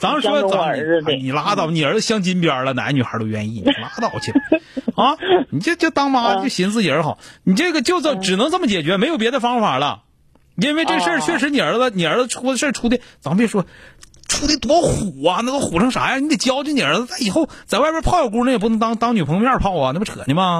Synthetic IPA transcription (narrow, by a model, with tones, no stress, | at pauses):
t͡sɑ˧˥ŋ˧ʂwɔ˥t͡sə˨˦mə˧˩˧ni˨˩la˥t̪ɑ˥˩ʊni˨˩ə˞˧˥d͡zə˧ɕjɑ˥ŋt͡ɕi˥npjə˞˨˩lə˧na̰˧˥ny˨˩xə̰˞˧˥t̪o˧ʊɥɛ̰˧˥nḭ˥˩ni˨˩la˥t̪ɑ˥˩ʊt͡ɕʰi˧˩a˥˩ni˨˩t͡ɕt͡ɕjo˥˩ʊt̪ɑ˥ŋma˧˥˧t͡ɕjo˥˩ʊɕi˧˥nt͡sɹ̩˥˩t͡ɕi˨˩ə˞˧˥xɑ˨˩˦ʊni˨˩ʈ͡ʂɤ˥˩ɡə˩t͡ɕjo˥˧ʊt͡sə˩ʈ͡ʂɻ̩˨˩nɤ˧˥ŋt͡sə˥˩mət͡ɕjɛ˨˩t͡ɕɥɛ˧˥me˧˥ɪjo˨˩ʊpjɛ˧˥d̪ə˧fɑ˥ŋfa˨˩lə̰˦ | i˧˥nwe˥˧ɪʈ͡ʂɤ˥˩ɡə˧ʂə˞˥˩˧t͡ɕʰɥɛ˥˩ʂ̬ɻ̩˧˥ni˨˩ə˞˧˥d͡zə˧ni˨˩ə˞˧˥d͡zə˧ʈ͡ʂʰu˧˥d̪ə˧ʂə˥˧ʈ͡ʂʰu˥t̪̬i˧˥t͡spjɛ˥˩ʂwɔ˥ʈ͡ʂʰu˥t̪i˧˩t̪wɔ˥xu˨˩ɐ˧na˥˩t̪o˥ʊxu˨˩ʈ͡ʂʰɤ˧˥ŋʂa̰˨˧˥ja˥˧ni˧˥d̪ɛ˩t͡ɕjɑ˥ʊt͡ɕjni˨˩ə˞˧˥ə˧t̪a˥˩ɪi˨˩xo˥˩ʊt͡sa˨˧ɪwa˥ɪpjɛ˧˥pʰɑ˥˧ʊjɑ˥˩ʊku˥˧ə˥ɛ˨˩p̬u˥˩˧t̪ɑ˥ŋt̪ɑ˥ŋny˨˩pʰɤ˧˥ŋmʲjɛ˥ə˞˥˧˩pʰɑ˥˩ʊ˨ne˥˩pʈ͡ʂʰɤ̰˨˩ni˥bɐ˧